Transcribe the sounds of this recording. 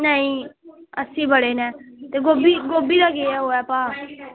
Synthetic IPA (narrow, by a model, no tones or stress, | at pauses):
nəĩːəsĩːbəɽeːnɛ̃ːt̪eːɡoːbiːɡoːbiːd̪aːɡeɛːɦoːɛːpãː